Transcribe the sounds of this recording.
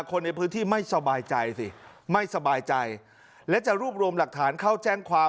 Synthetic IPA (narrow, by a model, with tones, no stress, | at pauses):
kʰo˧nːa˧jpʰɯː˦˥nt̪ʰiː˥˩ma˥˩jsa˧baː˧jt͡ɕa˧jsi˨˩ | ma˥˩jsa˧baː˧jt͡ɕa˧j | lɛ˦˥wt͡ɕa˨˩ɾuː˥˩p̚ɾu˧əmla˨˩k̚t̪ʰaː˩˦nkʰa˥˩wt͡ɕɛː˥˩ŋkʰwaː˧